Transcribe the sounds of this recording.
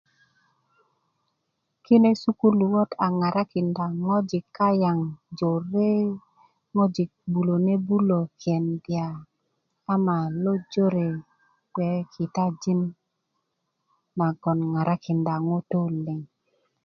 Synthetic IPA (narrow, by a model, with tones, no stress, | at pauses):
ki˦ne˦su˦ku˦lu˨wɔ˦ta˨ŋa˨ɾa˦kɪ˨nda˨ŋɔ˦d͡ʒɪ˨kːa˦ja˨ŋd͡ʒo˨ɾe˦ | ŋɔ˦d͡ʒɪ˨k̚bu˨lo˨ne˦bu˦lo˨kʰjɛ˨ndja˨ | a˦ma˨lo˦d͡ʒo˦ɾe˨ | kwɛ˨˦kʰɪ˨ta˦d͡ʒi˦n | ma˨ɡɔ˨nŋa˨ɾa˦kɪ˨nda˨ŋo˦to˦lɪ˨ŋ